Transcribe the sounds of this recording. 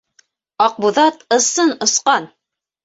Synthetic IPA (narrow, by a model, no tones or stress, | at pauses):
ɑq̚buðɑt̪ɤ̆sɤnŏsqɑn